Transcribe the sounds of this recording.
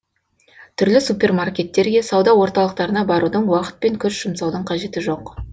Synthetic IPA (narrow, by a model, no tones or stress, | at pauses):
t̪ʰʏɾlɪsupʲe̞rmarkʲe̞t̪ːe̞ɾɡʲe̞sɑwd̪ɑwo̞ɾt̪ɑlˠəq̚t̪ɑɾənɑbɑɾud̪əɴwɑqə̥t̪̚pe̞ŋkʲʰʏsʒ̥əmsɑwd̪əɴqʰɑʒe̞t̪ɪʒo̞q